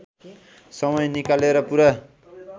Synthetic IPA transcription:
sʌmʌjnikaleɾʌpuɾa

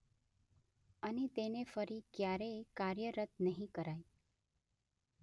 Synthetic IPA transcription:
anit̪enefəɾiːkjaɾejkaɾjəɾət̪nəɦĩkəɾaj

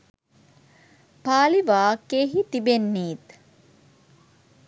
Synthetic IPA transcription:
paːliʋaːkːeːɦit̪ibenːiːt̪

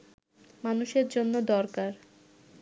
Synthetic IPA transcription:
manuʃeɾd͡ʑonːod̪ɔɾkaɾ

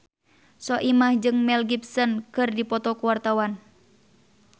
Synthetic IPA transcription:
sɔʔimahd͡ʒɨŋmɛlɡipsɔnkɨrdipɔt̪ɔkuwart̪awan

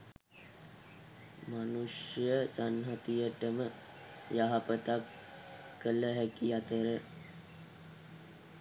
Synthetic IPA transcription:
manuʂjəsanɦat̪ijəʈəmə | jaɦapət̪akː | ələɦækiat̪əɾə

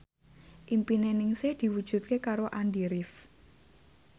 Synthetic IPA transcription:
ʔimpinenɪŋsehd̪̥i̤wud̥ʒ̥ṳt̪̚kekaɾoʔandiɾɪf

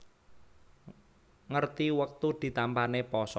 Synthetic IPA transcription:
ŋərt̪iwək̚t̪ud̪̥i̤t̪ampanepɔsɔ

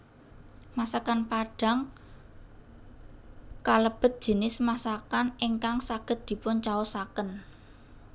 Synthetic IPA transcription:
masakanpaɖ̥a̤ŋ | kaləb̥ə̤t̪̚d̥ʒ̥ə̤nɪsmasakaneŋkaŋsaɡ̥ə̤t̪̚d̪̥i̤pʊnt͡ʃawosakən

